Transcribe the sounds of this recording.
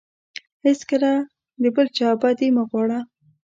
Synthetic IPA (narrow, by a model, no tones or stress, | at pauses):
hɪskəla | d̪əbəlt͡ʃɑbad̪imaɣwɑɽa